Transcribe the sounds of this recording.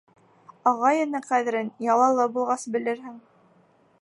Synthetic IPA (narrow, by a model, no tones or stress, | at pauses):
ɑʁɑjɤ̆nɘqæðɘ̆ɾɘnjɑlˠɑlˠːɑbulˠʁɑsbɘ̆lɘ̆ɾɦɘŋ